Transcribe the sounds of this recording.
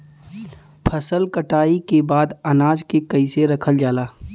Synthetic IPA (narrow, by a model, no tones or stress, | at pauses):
pʰəsəlkəʈaːikebaːd̪ɐnaːd͡ʒkekɐɪseɾɐkʰəld͡ʒaːlaː